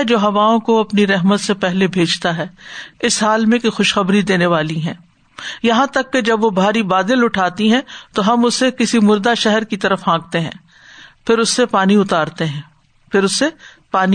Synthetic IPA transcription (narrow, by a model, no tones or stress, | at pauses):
d͡ʒoːɦɐʋaːõkoɐpniɾɛɦmət̪sepɛɦlebʱeːd͡ʒt̪aɦɛːɪsɦaːlmẽkexʊʃxɐbɾid̪eːneʋaːliɦɛ̃ː | jɐɦãt̪ɐkːed͡ʒɐbʋobʱaːɾibaːd̪ɪlʊʈʰaːt̪iɦɛ̃t̪oɦɐmʊsekɪsimʊɾd̪aʃɛɦɛɾkit̪ɐɾəfãːɡ̚t̪eɦɛ̃ː | pʰɪɾʊsːepaːniʊt̪aːɾt̪eɦɛ̃ː | pʰɪɾʊsːe | paːni